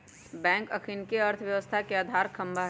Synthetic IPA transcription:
bɛ̃ːŋkɐkʰinkeɐɾt̪ʰʋjɐʋəst̪ʰakeaːd̪ʱaːɾkʰɐ̃mbʱaɦ

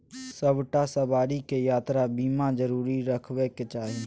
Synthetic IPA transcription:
səbʈasəbaːɾikejaːt̪ɾabiːmãd͡ʒəɾuːɾiɾəkʰweket͡ʃaːɦi

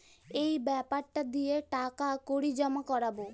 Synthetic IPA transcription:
ejbɛpaɽʈad̪ieʈakakoɽid͡ʒɔmakɔɾabo

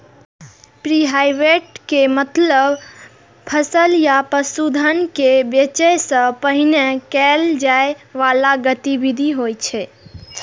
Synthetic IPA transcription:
pɾiɦajʋeʈkemət̪ləb | pʰəsəljapəsud̪ʱənkebjət͡ʃəjsə̃pəɦinekɛld͡ʒaeʋalaɡət̪ibid̪ʱiɦojt͡ʃʰɛ

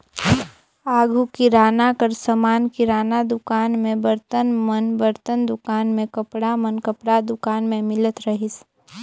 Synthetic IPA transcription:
aːɡʱukiɾaːnakəɾsəmaːnkiɾaːnad̪ʊkaːnmẽbəɾt̪ənmənbəɾt̪ənd̪ʊkaːnmẽkəpɽamənkəpɽad̪ʊkaːnmẽmɪlət̪ɾəɦɪs

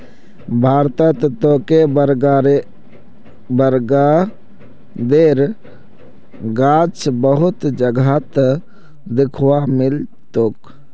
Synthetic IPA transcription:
bʱaːɾt̪ət̪t̪okebəɾɡɾ | bəɾɡa | d̪eɾ | ɡat͡ʃbəɦʊt̪d͡ʒəɡʱat̪ | d̪ɪkʰwamɪl | t̪oːk

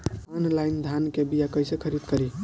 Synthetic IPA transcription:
anlajnd̪ʱankebijakəjsekʰəɾid̪kəɾi

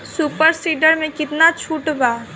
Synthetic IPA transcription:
suːpəɾsiːɖəɾmẽkɪt̪nat͡ʃʰuːʈbaː

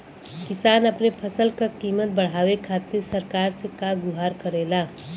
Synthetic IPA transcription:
kɪsaːnəpnepʰəsəlkakiːmət̪̚bəɽ̤aːwekʰaːt̪ɪɾsəɾkaːɾsekaɡʊɦaːɾkəɾeːlaː

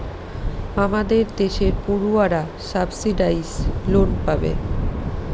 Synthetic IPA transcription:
amad̪eɾd̪eʃeɾpuɾuaɾa | sabsiɖajsloʈpabḛ

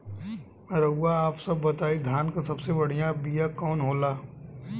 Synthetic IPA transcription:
ɾɐuaaːpsɐbːɐt̪aːid̪ʱjaːnkasɐbsebɐɽ̤ijãbijãkɔːnɦoːlaː

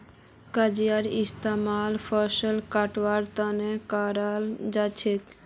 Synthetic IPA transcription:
kad͡ʑijaɾist̪amalfʰɔʃəlkaʈwaɾt̪anekaɾald͡ʒat͡ɕʰek

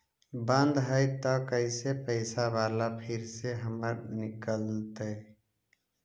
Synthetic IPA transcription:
bə̃nd̪ɦəɪt̪ɔkəɪsepəɪsabalapʰiɾseɦəməɾnikəlt̪ə

